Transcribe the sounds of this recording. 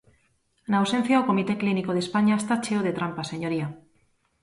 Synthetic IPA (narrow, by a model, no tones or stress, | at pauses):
nawsen̟θjaokomit̪eklinikoðespaɲaest̪at͡ʃeoð̞et̪ɾampaseɲoɾia